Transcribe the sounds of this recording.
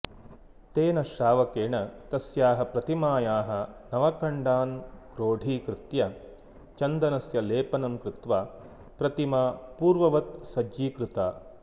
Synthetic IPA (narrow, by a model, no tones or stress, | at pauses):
t̪eːnɐʃɾaːʋɐkeːɳɐt̪ɐsjaːɦɐpɾɐt̪imaːjaːɦɐnɐʋɐkɐɳɖaːnkɾoːɖʱiːkɾɪt̪jɐ | t͡ʃɐnd̪ɐnɐsjɐleːpɐnɐmkɾɪt̪ʋaː | pɾɐt̪imaːpuːɾʋɐʋɐt̪sɐd͡ʒiːkɾɪt̪aː